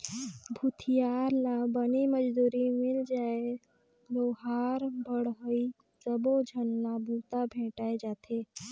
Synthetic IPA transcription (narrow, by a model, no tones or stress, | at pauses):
bʱut̪ʰijaːɾlabəniməd͡ʒd̪uːɾimɪld͡ʒaːe | ɡoɦaːɾbəɽɦoi | səbod͡ʒʱənːabuːt̪abʱẽːʈaːed͡ʒaːt̪ʰe